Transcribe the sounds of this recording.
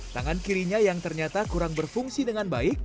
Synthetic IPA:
t̪aŋankiɾiɲajaŋt̪ərɲat̪akuɾaŋbərfuŋsidəŋanbaɪk̚

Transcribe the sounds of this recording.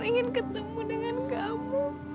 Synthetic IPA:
iŋɪnkət̪əmudəŋankaʔamu

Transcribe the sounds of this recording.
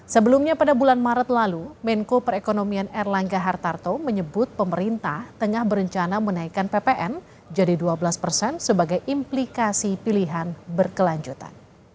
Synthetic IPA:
səbəlumɲapadabulanmaɾət̪̚lalumɛŋkopəɾekonomianɛrlaŋɡaɦart̪art̪oməɲəbʊt̪̚pəməɾint̪aht̪əŋahbəɾəɲt͡ʃanamənaikanpepeʔɛn | d͡ʒadiduabəlaspərsɛnsəbaɡajʔimplikasipiliɦanbərkəlaɲd͡ʒut̪a̰n

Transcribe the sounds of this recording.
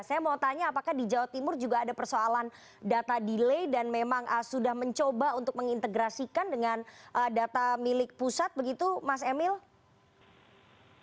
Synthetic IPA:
sajamaot̪aɲaːpakahdid͡ʒawat̪imʊrd͡ʒuɡaːdapərsoalan | dat̪adilejdanmemaŋəsudahməɲt͡ʃobaunt̪ʊk̚məŋint̪əɡɾasikandəŋanʔədat̪amilɪk̚pusat̪̚bəɡit̪umas̬emɪl

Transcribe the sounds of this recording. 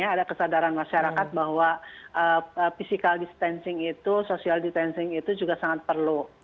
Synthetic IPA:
aːdakəsadaɾanmaʃaɾakat̪̚bahwaʔəəfisikaldist̪ɛnsɪŋit̪usosialdist̪ɛnsɪŋit̪ud͡ʒuɡasaŋat̪̚pərlu

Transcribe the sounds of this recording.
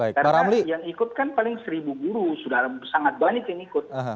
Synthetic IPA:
baɪkaraɾamlijaŋikʊt̪̚kanpalɪŋsəɾibuɡuɾusudaɾasaŋat̪̚banɪt̪jaŋikʊt̪̚əɦə

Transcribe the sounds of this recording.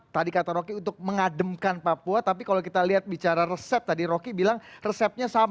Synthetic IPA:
t̪adikat̪aɾokiunt̪ʊk̚məŋadəmkanpapuat̪apikalokit̪aliat̪̚bit͡ʃaɾarəsɛp̚t̪adiɾokibilaŋrəsɛp̚ɲasam

